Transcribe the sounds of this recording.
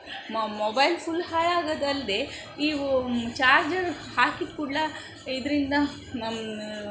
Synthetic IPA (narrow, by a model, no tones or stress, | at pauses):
mobɐjlpulhaːjaːɡɐd̪ɐld̪e | iːt͡ʃaːɾd͡ʒɐɾ | haːkit̪kuɽːa | id̪ɾind̪ɐ | nɐm